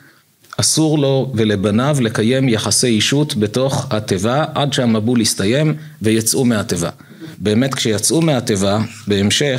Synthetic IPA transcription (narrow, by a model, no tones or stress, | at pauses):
ʔasuʁlo̞ve̞le̞banavle̞kaje̞mjaχasejiʃutbe̞to̞χhate̞vaʔadʃeamabulistaje̞m | ve̞jat͡sʔumeate̞va̰ | be̞ːme̞tkʃejat͡sʔumeɦate̞va | be̞ːmʃe̞